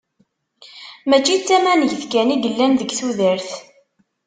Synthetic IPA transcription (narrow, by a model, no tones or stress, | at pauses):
mæt͡ʃːit͡sːæmænəʝθkæniɡəlːænðəɡθuðəɾθ